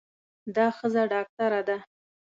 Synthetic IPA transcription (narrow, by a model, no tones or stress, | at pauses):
d̪ɑxəzaɖɑk̚ʈaɾad̪a